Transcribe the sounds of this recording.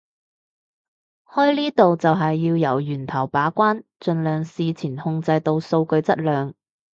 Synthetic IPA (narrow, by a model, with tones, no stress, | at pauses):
hɔː˥jliː˥t̪o˨wt͡sɐ˨wɦɐ˨jːiː˧wjɐ˨˩wjyː˨˩nt̪ʰɐ˨˩wpaː˨˥kʷaː˥nt͡ʃɵ˧nlœː˨˧ŋsiː˨˧t͡sʰiː˨˩nhʊ˧ŋt͡sɐ˧jt̪o˧wso˧wkɵ˧ɥt͡sɐ˥t̚lœː˨˧ŋ